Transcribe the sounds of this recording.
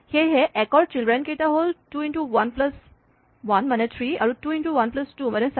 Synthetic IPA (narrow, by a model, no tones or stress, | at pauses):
heɦeʔɛkɔɖ̚t͡ɕilɖɾẽnket̪aɦolʈuːiɳʈuʋɐnpləs | ʋɐnmənet̪ʰɾiaɾuʈuiɳʈuʋɐnpləsʈuːməɾẽns